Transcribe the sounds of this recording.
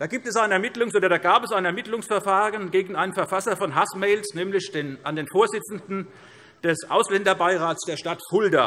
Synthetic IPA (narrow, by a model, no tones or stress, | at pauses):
d̥aːɡiːp̚tɛsaɪnəɛɐmɪtlʊŋsʔoːdɐdaːɡaːpɛsaɪnɛɐmɪtlʊŋsfɛɐfaːʁənɡeːɡŋ̩aɪnənfɛɐfasɐfɔnɦasmɛlsnɛːmlɪçd̥enʔandeːnfoːɐzɪt͡sn̩dn̩ | d̥ɛsʔa̰ʊslɛndɐbaɪʁaːtsd̥eːɐʃtathʊldɐ